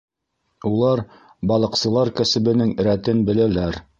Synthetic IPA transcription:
ulˠɑɾ | bɑlˠɤ̆qsɤ̆lˠɑɾkæsɘ̆bɘ̆nɘŋɾæt̪ɘnbɘ̆lælæɾ

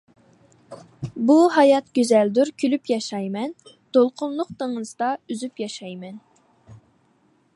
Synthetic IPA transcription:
buɦɑjɑt̪ɡʲøzæld̪uɾkʲʰylypjɑʃɑjmɛn | t̪olˠqʰʊnlˠʊq̚t̪əŋɨzd̪ɑyzypjɑʃɑjmɛn

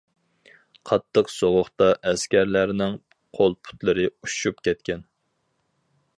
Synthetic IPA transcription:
qʰɑt̪ʰːəqsoʁʊχt̪ɑʔɛskʲæɾlæɾnɪŋ | qʰolˠpʰu̥t̪lˠɨɾɨuʃupkʲɛt̪̚kʲɛn

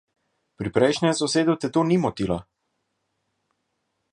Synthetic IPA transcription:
pɾipɾɛjʃnʲɛsɔseːd̪ut̪ɛt̪onimɔt̪ila

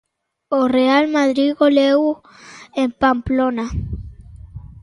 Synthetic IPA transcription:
orealmaðɾiɣoleu | empamplona

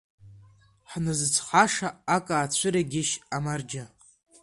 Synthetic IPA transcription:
ħnɨzɨt͡sʷʰχaʂaakʼaːt͡ɕʷʰɨɾaɡʲɪʃamard͡ʒa

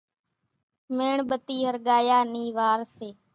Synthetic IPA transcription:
meːɳɓət̪iːɦəɾɠaːjaːniːʋaːɾseː

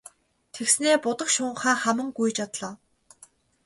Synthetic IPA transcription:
t̪ʰeksneːpʊt̪ə̆kʃʊːɴχaːχæmə̆ŋɡujt͡ɕat̪ɮɔː

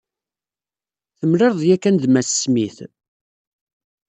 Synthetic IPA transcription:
θəmleɾðˤjækːænðmæsə̥smiθ

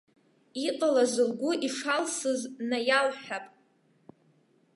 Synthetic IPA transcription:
iqʼalazɨlɡʷʊʔiʂalsɨznajalħapʼ

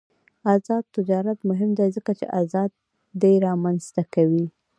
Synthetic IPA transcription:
azɑd̪̚t̪ɪd͡ʒɑɾat̪mʊɦɪmd̪ajzəkat͡ʃḛʔazɑd̪̚ː | ajɾɑmanz̥t̪akawi

